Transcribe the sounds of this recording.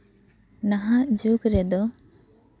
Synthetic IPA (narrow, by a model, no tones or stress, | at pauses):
naɦaʔd͡ʒukɾɛd̪ɔ